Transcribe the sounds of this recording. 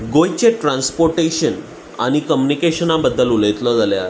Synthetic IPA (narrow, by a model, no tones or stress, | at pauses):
ɡojt͡ɕeʈɾãnspoɾʈeɕən | a̰ɽ̃ikəmjunikeɕənabəd̪ːəluləjt̪lɔd͡zaljaɾ